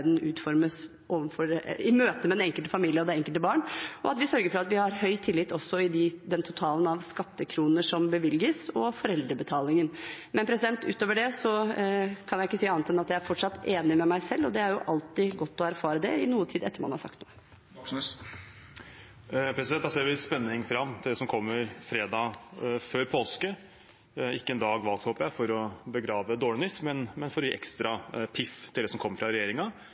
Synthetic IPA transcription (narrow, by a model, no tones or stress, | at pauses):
d̪n̩ʉːt̪fɔɾməs | ʔoːʋəfɔɾɪmøːt̪əmɛd̪ɛɛŋkəlt̪əfɑmiːlɪəɔd̪ɛɛŋkəlt̪əbɑːɳɔɑt̪ʋɪsœɾɡəɾfɔɾɑt̪ʋɪhɑɾhœʏt̪ʰɪlːɪt̪ːɔsːɔɪd̪ɪd̪ɛnt̪ʰʊt̪ʰɑːlənɑʋskɑt̪ːəkʰɾuːnəʂɔmbəʋɪljəsɔfɔɾɛld̪ɾəbət̪ʰɑːlɪŋənmɛnpʰɾɛsɪd̪ɛnt̪ʉ̰ːt̪oːʋəɖɛsɔkʰɑnjæɪɪkːəsiːɑnt̪ːɛnɑt̪jæɪæɾfɔʈʂɑt̪ːeːnɪmɛmæɪsɛlːɔd̪ɛæɾjʊ̰ʔɑlt̪ɪɡɔt̪ːɔæɾfɑːɾəd̪ɛ̰ɪnuːət̪ʰiːd̪ɛt̪ːəɾmɑ̰nhɑɾsɑ̰kt̪nṵːə | pʰɾɛsɪd̪ɛnd̪ɑseːɾʋɪspɛnːɪŋfɾɑmːt̪ʰɪld̪ɛːsɔmkʰɔmːəɾfɾeːd̪ɑføːɾpʰoːlskə | ɪkːəɛnd̪ɑːɡʋɑlɡ̚t̪hoːpəjæɪfɔɾɔbəɡɾɑːʋəd̪oːɭɪnʏsmɛnmɛnfɔɾjiʔɛ̰kst̪ɾɑpʰɪft̪ʰɪld̪ɛsɔmkʰɔmːəɾfɾɑɾɛjeːɾɪŋɑ